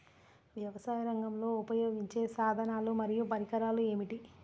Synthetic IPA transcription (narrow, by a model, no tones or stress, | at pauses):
ʋjɐʋɐsaːjɐɾɐŋɡɐmlo̞ːupɐjo̞ːɡiɲt͡ʃe̞ːsaːd̪ʱɐnaːlumɐɾijupɐɾikɐɾaːlue̞ːmiʈi